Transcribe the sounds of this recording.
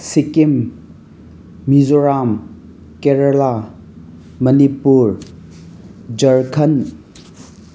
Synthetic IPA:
sikim | izoɾam | keɾɐla | mɐnipuɾ | d͡ʒɐɾkʰɐn

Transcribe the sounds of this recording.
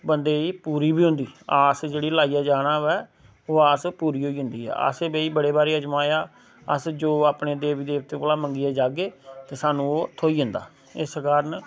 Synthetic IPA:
bənd̪eːiːpuːɾiːbiːɦʊ̃nd̪iːaːsd͡ʒeːɽiːlaːijaːd͡ʒaːɽ̃aːʋɛː | oːaːspuːɾiːɦoːiːɦʊ̃nd̪iːɦɛ̰ːə̰ːseːbeːiːbəɽeːbaːɾeːəd͡ʒmaːjaː | ə̰sd͡ʒoːaːpɳeːd̪eːʋid̪eːʋt̪ẽːkolaːməŋɡiːaːd͡ʒaːɡeːt̪eːsaːnũːoːt̪ʰoːiːɦʊnd̪a̰ː | ɪskaːɾn

